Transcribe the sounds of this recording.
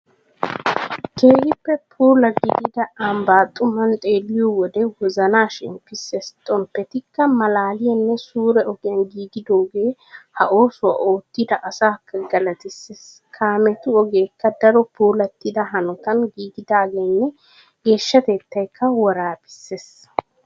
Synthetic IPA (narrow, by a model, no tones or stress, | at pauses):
ke̞ːhɪpːɛpʰuːlɐɡɪɡɪd̪ɐɐmbaːt̪ʼːʊmɐnt̪ʼe̞ːlːɪjɔwɔd̪ɛwɔzɐnaːʃɪ̰mpɪsːest̪ʼɔmpːɛt̪ɪkːɐmɐlaːlɪjɐnːɛsuːɾɛɔɡɪjɐnɡiːɡɪd̪o̞ːɡe̞ːhɐʔo̞ːsʊwa̰ːʔo̞ːt̪ːɪd̪ɐʔɐsaːkːɐɡɐlɐt̪ɪsːes | kʰaːmɛt̪ʊɔɡeːkːɐd̪ɐɾɔpuːlɐt̪ːɪd̪ɐɦɐnɔt̪ɐnɡiːɡɪd̪aːɡeːnːɛ | ɡ̥e̞ːʃːɐt̪e̞ːt̪ːɐjkʰːɐwɔɾaːpɪ̥sːeːs